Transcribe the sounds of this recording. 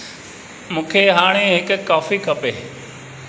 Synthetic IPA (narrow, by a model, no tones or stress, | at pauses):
mũːkʰeɦaːɽ̃eɦɪkkːaːfikʰɐpeː